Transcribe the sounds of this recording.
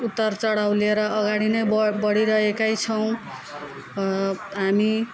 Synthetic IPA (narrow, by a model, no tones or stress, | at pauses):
ut̪ːʌrt͡sʌɽawleɾʌʌɡaɽinʌjbbʌɽiɾʌɦekajt͡sʰʌw̃ | ɦami